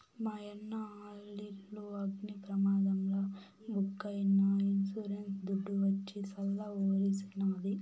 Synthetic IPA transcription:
mɐjɐnːɐaːɭilːuɐɡnipɾɐmaːd̪ɐmlɐ | bʱukːɐjnːɐinsuɾensd̪uɖːuʋɐt͡ʃːisɐlːɐoːɾisinaːd̪i

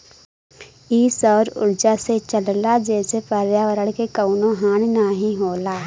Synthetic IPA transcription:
iːsɔːɾʊ̰ɾd͡ʒaset͡ʃəllad͡ʒɛːsepəɾjaːʋəɾəɽkekəʊnoɦaːnnaːɦĩɦoːlaː

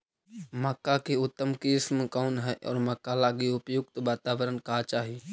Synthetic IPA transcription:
məkːakeʊt̪ːəmkismkaːnɦɛʔɔ̰ːɾməkːalaːɡiʊpjʊɡ̚t̪ʋaːt̪aːʋəɾənkaɦt͡ʃaːɦi

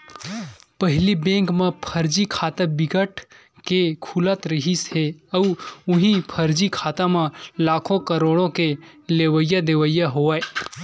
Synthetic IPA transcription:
pəɦɪlibẽːŋkmẽpʰəɾd͡ʒikʰaːt̪əbɪɡəʈ | kekʰulət̪ɾəɦisɦeəuʊɦĩpʰəɾd͡ʒikʰaːt̪amẽlaːkʰõkəɾoːɽõkeleːwəijad̪eʋəjaɦoae

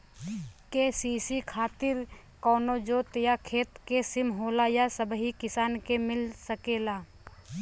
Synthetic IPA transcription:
keːsiːsikʰaːt̪ɪɾ | kɔːnod͡ʒoːt̪jakʰeːt̪kesɪmɦoːlajasəbɦikɪsaːnkemɪlsəkeːlaː

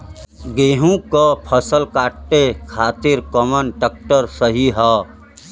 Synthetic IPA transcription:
ɡeːɦũkapʰəsəlkaːʈːekʰaːt̪ɪɾkɔmənʈək̚ʈəɾsəɦiɦɛː

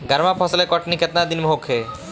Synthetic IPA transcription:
ɡaɾmapʰɔsəlekɔʈniket̪nad̪inmoɦokʰe

